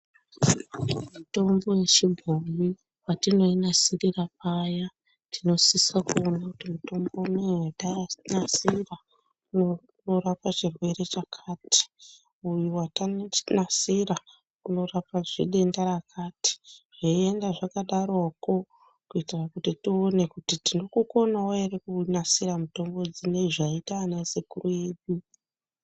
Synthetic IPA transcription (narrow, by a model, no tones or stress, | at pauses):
muto̞mbo̞jet͡ʃibʱomi | watino̞inasirirapaja | tino̞sisakuo̞nakutimuto̞mbouneatanasira | uno | noɾapat͡ʃirwe̞re̞t͡ʃakʰaːti̥ | ujuwatanasiɾa | uno̞rapaʐiɗe̞ndaɾakʰati̥ʐ̥aie̞ndaʐakaɗaɾoko̞ | kuitirakutitione̞kutitinokuko̞nawaerekunasiramuto̞mbo̞d͡zine̞ʐaitaːnasekurueɗu